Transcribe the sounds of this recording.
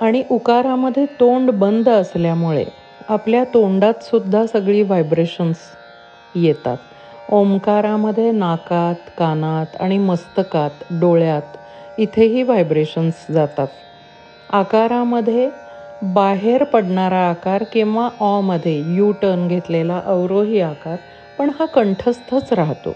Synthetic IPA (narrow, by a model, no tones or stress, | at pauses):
aɽ̃iʔukaɾaməd̪ʱːjet̪oɳɖbənd̪ʱəsljamuɭḛ | apljat̪oɳɖat̪sud̪ʱːasəɡɭiːʋajbɾeɕəns | jet̪a̰t̪ | omkaɾaməd̪ʱːjenakat̪kanat̪a̰ɽ̃iməst̪əkat̪ɖoɭjat̪ | it̪ʰeɦiːʋajbɾeɕənsd͡zat̪at̪ | akaɾaməd̪ʱːje | baɦeɾpəɽɳaɾaːkaɾkĩw̃ʋaʔɔməd̪ʱːjejuʈənɡʱet̪lelaʔəwɾoɦiːakaɾ | pəɳhakəɳʈʰəst̪ʰət͡sɾaɦt̪o̰